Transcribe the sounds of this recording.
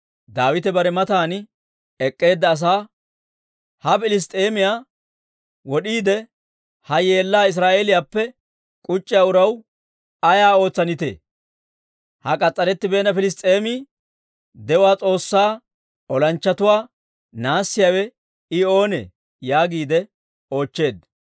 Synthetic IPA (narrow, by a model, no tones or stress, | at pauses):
d̪aːwɪt̪ɛbɐɾɛmɐt̪aːn | ɛkʼːe̞ːd̪ːɐːs̬aː | hɐfɪlɪs̬t̪ʼeːmɪjaː | wɔɗiːd̪ɛ | hɐjeːlːaːɪs̬ɾaːʔeːlɪjaːpːɛ | kʼʊt͡ʃʼːɪjaːʊɾɐw | ɐjaːo̞ːt͡sːɐnɪt̪ḛː | hɐkʼɐt͡sʼːɐɾɛt̪ːɪbe̞ːnɐfɪlɪs̬t̪ʼe̞ːmiː | d̪ɛʊwaːt͡sʼo̞ːsːaː | ɔlɐnt͡ʃːɐt̪ʊwaː | naːsːɪjaːwɛ | ɪo̞ːnḛ | jaːɡiːd̪ɛ | o̞ːt͡ʃːe̞ːd̪